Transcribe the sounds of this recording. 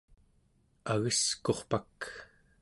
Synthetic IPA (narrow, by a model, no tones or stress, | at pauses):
aɣəsko̞χpak